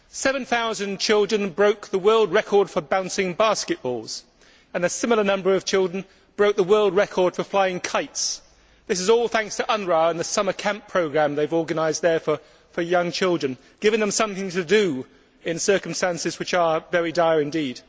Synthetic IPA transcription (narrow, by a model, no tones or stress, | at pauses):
sɛvɨ̃nθaʊzɨ̃nt͡ʃʰɪlˠdɹɨ̃nbɹoʊk̚ðəwɜ˞lˠd̚ɹɛkʰɔɹd̥fə˞bãʊ̃nsɪ̃ŋbɑˑskɨʔ̚b̥ɔ̰lˠz̥ | ə̃nɨsɪ̃ml̩ˠənʌ̃mbə˞ʌv̥t͡ʃʰɪlˠdɹə̃n | b̥ɹoʊk̚ðəwɜ˞lˠd̚ɹɛkʰɔɹd̥fə˞flaɪɪ̃ŋkʰaɪts | ðɪs̬ɨzɔlˠθæ̃ŋkstʰəʔʌ̃nɹɑə̃nðɨsʌmə˞kʰãnpʰɹ̥oʊɡɹæ̃mðeɪvɔɹɡɨnaɪz̚ðə˞fə˞ | fə˞jʌ̃ŋt͡ʃʰɪlˠdɹɨ̃n | ɡ̥ɪvɪ̃ŋðə̃msʌ̃mθɪ̃ŋtʰɨdɨ | ɪ̃nsɜ˞kə̃m̩stæ̃nsɨzwɨt͡ʃə˞vɛɹidaɪɹɨ̃ndid̥